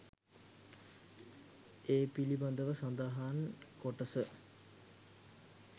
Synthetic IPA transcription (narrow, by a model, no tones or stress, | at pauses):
eːpiliband̪əʋəsand̪aɦankoʈəsə